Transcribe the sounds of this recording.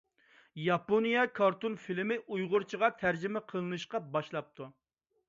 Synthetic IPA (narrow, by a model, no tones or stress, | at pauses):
jɑponijɑkʰɑɾt̪unfilmɪʔujʁʊɾt͡ʃʰəʁɑt̪ʰæɾd͡ʒɪmɛqʰəlˠɨnɨʃqɑbɑʃlˠɑp̚t̪ʰu